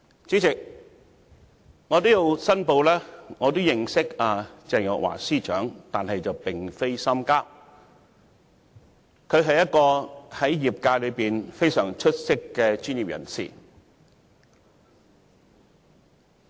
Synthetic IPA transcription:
t͡si˨˥t͡sɪ˨k̚ | ŋɔː˨˧t̪o˥wji˨˧wsɐ˥npo˧wlɛː˥ŋɔː˨˧t̪̬o˥wjɪ˨ŋsɪ˥k̚aː˨˧t͡sɛː˨ŋjɔ̰˨k̚wa̰ː˨˩siː˥t͡ʃœː˨˥ŋt̪aː˨nhɐ˨jt͡sɐ˨wpɪ˨ŋfe˥jsɐ˥mkaː˥p̚ | kʰɵ˨˧ɥɦɐ˨jːɐ˥t̚kɔː˧hɐ˨˥jjiː˨p̚kaː˧jlɵ˨˧piː˨nfe˥jsœː˨˩ŋt͡ʃʰɵ˥t̚sɪ˥kːɛː˧t͡ʃyː˥njiː˨p̚jʔɐ̰˨˩nsḭː˨˩

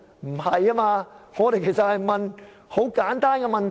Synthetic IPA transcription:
m̩˨˩hɐ˨jːaː˦˥maː˧ŋɔː˨˧t̪e˨jkʰe˨˩jsɐ˨t̚hɐ˨jmɐ˨n | ho˨˥wkaː˨˥nt̪aː˥nkɛ˧mɐ˨nt

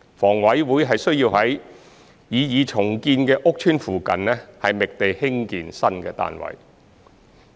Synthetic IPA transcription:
fɔː˨˩ŋwɐ˨˥jwuː˨˥jɦɐ˨jsɵ˥ɥjiː˧whɐ˨˥j | jiː˨˧jiː˨˧t͡ʃʰʊ˨˩ŋkiː˧nkɛː˧ʔʊ˥k̚t͡ʃʰyː˥nfuː˨kɐ˨nlɛː˥hɐ˨jmɪ˨k̚t̪e˨jhɪ˥ŋkiː˨nsɐ˥nkɛː˧t̪a̰ː˨nwɐ̰˨˩j

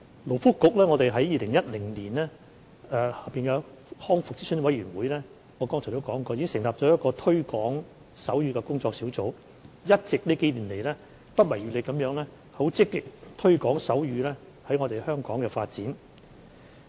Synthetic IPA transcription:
lo˨˩wfʊ˥kːʊ˨k̚lɛː˥ŋɔː˨˧t̪e˨jɦɐ˨˥jːiː˨˧lɪ˨˩ŋjɐ˥t̚lɪ˨˩ŋliː˨˩nɛː˥ | ɛː˨˧haː˨˩piː˨nkɛ˧ | hɔː˥ŋfʊ˨k̚t͡siː˥sɵ˥nwɐ˨˥jyː˨˩nwuː˨˧jlɛː˥ | ŋɔː˨˧kɔː˥ŋt͡ɕʰɔ˨˩o˨˥wkɔː˨˥ŋkɔː˧jiː˨˥ŋsɪ˨˩ŋlaː˨p̚t͡ʃɔː˨˥jɐ˥kɔː˧t̪ʰɵ˥ɥkɔː˨˥ŋ | sɐ˨˥wɥyː˧kɛː˧kʊ˥ŋt͡sɔː˧ksi˨˥wt͡so˨˥w | jɐ˥t̚t͡sɪ˨k̚niː˥ke˨˥jliː˨˩nle˨˩jlɛː˥ | pɐ˥t̚mɐ˨˩jy˨le˨˧kɐ˨˥mjœː˨˥ŋlɛː˥ | ho˨˥wt͡sɪ˥kːɪ˨k̚t̪ʰɵ˥ɥkɔː˨˥ŋsɐ˨˥wjyː˨˧lɛː˥ | hɐ˨˥jŋɔː˨˧t̪e˨jhœː˥ŋkɔː˨˥ŋkɛː˧faː˧t̚t͡siː˨˥n

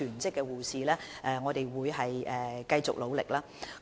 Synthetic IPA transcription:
yː˨˩nt͡sɪ˥kːɛː˧wuː˨siː˨lɛː˥ʔɛː˨ŋɔː˨˧t̪e˨jwuː˨˧jɦɐ˨jʔɛː˨kɐ˧jt͡sʊ̰˨k̚lo˨˧wlɪ̰˨k̚laː˥

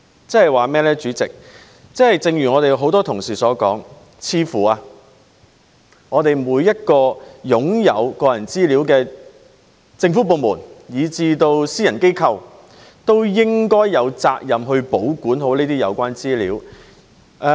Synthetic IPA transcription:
t͡sɛ˥hɐ˨jwaː˨mɛː˥lɛː˥t͡ʃyː˨˥t͡sɪ̰˨k̚ | t͡sɛ˥hɐ˨jt͡sɪ˨ŋjyː˨˩ŋɔː˨˧t̪e˨jɦo˨˥wt̪ɔː˥t̪ʰʊ˨˩ŋsiː˨sɔː˨˥kɔ̰ː˨˥ŋ | t͡sʰiː˧fuː˨˩aː˧ | ŋɔː˨˧t̪e˨jmuː˨˧jːɐ˥t̚kɔː˧jʊ˨˥ŋjɐ˨˧wkɔː˧jɐ˨˩nt͡siː˥liː˨˥wkɛː˧ | t͡sɪ˧ŋfu˨˥p̬o˨˧wmuː˨˩njiː˨˧t͡siː˧t̪o˧wsiː˥jɐ˨˩nke˥jkʰɐ˧w | t̪o˥wjɪ˥ŋkɔː˥jːɐ˨˧wt͡saː˧k̚jɐ˨mɦɵ˧ɥpo˨˥wkuː˨˥nɦo˨˥wniː˥t̪iː˥jɐ˨˧wkʷaː˥nt͡siː˥lḭː˨˥w | ʔɛː˧

